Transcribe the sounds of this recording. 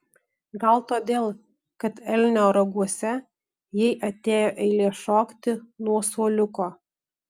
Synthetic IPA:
ɡɐlˠt̪oːd̪ʲeːlˠ | kɐt̪ɛlʲnʲoːɾɐɡuɔsʲɛ | jɛɪʔɐt̪ʲeːjoːʔɛɪlʲeːʃoːkt̪ʲɪnuɔsuːlʲʊkoː

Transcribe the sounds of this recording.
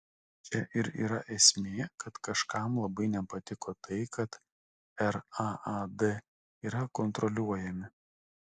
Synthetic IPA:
t͡ʃʲɛʔɪɾḭːɾɐʔɛsʲmʲeːkɐt̪kɐʃkɑˑmlˠɐbɐɪnʲɛpɐt̪ʲɪkoːt̪ɐɪkɐt̪ | ɛɾɑɐd̪ɛ | iːɾɐkɔnt̪ɾɔlʲuɔjɛmʲɪ

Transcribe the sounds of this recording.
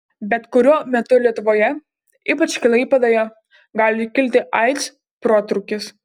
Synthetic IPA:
bʲɛt̪kʊɾʲuɔmʲɛt̪ʊlʲiɛt̪ʊʋoːjɛ | iːpɐt͡ʃʲkʲɪlˠɐɪpɐd̪oːjo | ɡɑːlʲɪkʲɪlʲt̪ʲɪʔɐɪt̪s | pɾoːt̪ɾʊkʲɪs

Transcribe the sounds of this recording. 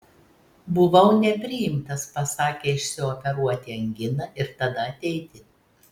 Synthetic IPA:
bʊʋɐʊnʲɛpʲɾʲɪjɪmt̪ɐspɐsɑːkʲeːɪʃʲsʲɪɔpʲɛɾuɔt̪ʲiːɐŋʲɡʲɪnɐʔɪɾt̪ɐd̪ɐɐt̪ʲɛɪt̪ʲɪ

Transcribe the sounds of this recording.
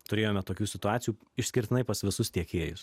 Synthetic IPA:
t̪ʊɾʲeːjoːmʲɛt̪oːkʲuːsʲɪt̪ʊaːt̪sʲjuːɪʃʲsʲkʲɪɾʲt̪ʲɪnɐɪpɐsʋʲɪsʊst̪ʲiɛkʲeːjʊs

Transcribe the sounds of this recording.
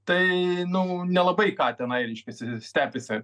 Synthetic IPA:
t̪ɐɪnʊnʲɛlˠɐbɐɪkɑːt̪ʲɛnɐɪɾʲɛɪʃʲkʲɛsʲɪsʲt̪ʲæːpʲɪsʲɪ

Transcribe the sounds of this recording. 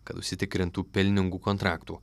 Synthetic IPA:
kɐt̪ʊʃʲsʲɪt̪ʲɪkɾʲɪnt̪uːpʲɪlʲnʲɪŋɡuːkɔnt̪ɾɑːkt̪ṵː

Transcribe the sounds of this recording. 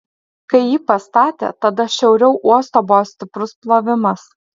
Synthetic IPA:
kɐɪjiːpɐst̪ɑːt̪ʲḛːt̪ɐd̪ɐʃʲɛʊɾʲɛʊʔuɔst̪oːboʋoːsʲt̪ʲɪpɾʊsplˠoʋʲɪmɐs

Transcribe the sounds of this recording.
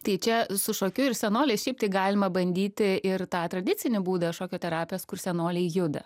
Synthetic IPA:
t̪ɐɪt͡ʃʲɛsʊʃoːkʲʊɪrsʲɛnoːlʲɛɪʃʲɛɪp̚t̪ɐɪɡɑːlʲɪmɐbɐnʲd̪ʲiːt̪ʲɪɪrt̪ɑːt̪ɾɐd̪ʲɪt͡s̪ʲɪnʲɪbuːd̪ɐʃoːkʲoːt̪ʲɛɾɑːpʲɪjoːskʊrsʲɛnoːlʲɛɪjʊd̪ɐ̰

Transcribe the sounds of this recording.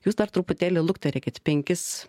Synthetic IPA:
juːsd̪ɐɾt̪ɾʊpʊt̪ʲæːlʲɪlˠʊkt̪ɐɾʲæːkʲɪt̪ʲpʲɛŋʲkʲɪs

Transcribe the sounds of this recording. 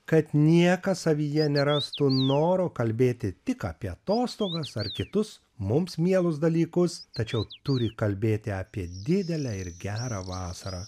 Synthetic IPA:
kɐt̪nʲiɛkɐssɐʋʲiːjɛnʲɛɾɑst̪unoːɾoːkɐlʲbʲeːt̪ʲɪt̪ʲɪkɑ̰ːpʲiɛɐt̪oːst̪oːɡɐsɐrkʲɪt̪ʊs | mʊmsmʲiɛlˠʊs̬d̪ɐlʲiːkʊst̪ɐt͡ʃʲɛʊt̪ʊɾʲɪkɐlʲbʲeːt̪ʲɪɐːpʲiɛd̪ʲɪd̪ʲɛlʲæɪɾɡʲæːɾɐʋɑːsɐɾɑː

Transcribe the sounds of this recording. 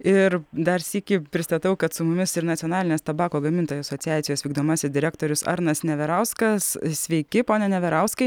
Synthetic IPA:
ɪɾd̪ɐɾsʲiːkʲɪpʲɾʲɪst̪ɐt̪ɐʊkɐt̪sʊmʊmʲɪsɪɾnɐtt͡s̪ʲioːnɑːlʲɪnʲeːst̪ɐbɑːkoːɡɐmʲɪnt̪oːjoːsɐsoːsʲɪjæːt̪ʲɪjoːsʋʲiːɡ̚d̪oːmɑːsʲɪsd̪ʲɪɾʲæːk̚t̪oːɾʲʊsɐ̰ɾnɐsnʲɛʋʲɛɾɐʊskɐssʲʋʲɛɪkʲɪpoːnʲɛnʲɛʋʲɛɾɐʊskɐɪ

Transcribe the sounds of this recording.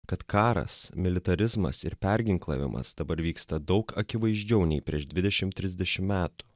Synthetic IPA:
kɐt̪kɑːɾɐ̰smʲɪlʲɪt̪ɐɾʲɪzmɐ̰sɪ̰ɾpʲɛɾʲɡʲɪŋklˠɐ̰ʋʲɪ̰mʔɐ̰sd̪ɐbɐɾʋʲiːkst̪ɐd̪ɒʊkɐkʲɪʋɐɪʒʲd͡ʒʲɛʊnʲɛɪpʲɾʲiɛʃd̪ʲʋʲɪd̪ʲɛʃʲɪmt̪ʲɾʲɪzʲd̪ʲɛʃʲɪmmʲæːt̪ʊ̥

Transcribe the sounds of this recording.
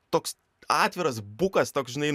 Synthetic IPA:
t̪oːks | ɑːt̪ʲʋʲɪɾɐs̬bʊkɐst̪oːksʒʲɪnɐɪ

